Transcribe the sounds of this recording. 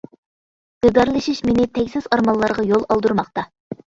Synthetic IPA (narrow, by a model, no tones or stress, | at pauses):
ɨd̪ɑɾlˠɨʃiʃmenɪt̪ʰɛkʲsɪzɑɾmɑlˠːɑɾʁɑjolˠɑlˠd̪uɾmɑqt̪ɑ